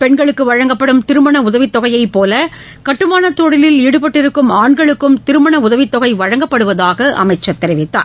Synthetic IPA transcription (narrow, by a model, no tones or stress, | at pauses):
pɛɳɡɐɭɯkːɯʋɐɻɐŋɡɐpːɐɽɯmt̪ɪɾɯmɐɳɐʊðɐʋɪt̪ːɔɣɐjɐɪpoːlɐ | kɐʈːɯmaːnɐt̪ːɔɽɪlɪliɽɯpɐʈːɪɾɯkːɯmaːɳɡɐɭɯkːɯmt̪ɪɾɯmɐɳɐʊðɐʋɪt̪ːɔɣɐɪʋɐɻɐŋɡɐpːɐɽɯʋɐðaːɣɐʔɐ̰mɐɪt͡ʃːɐt̪ːɛɾɪʋɪt̪ːa̰ːɾ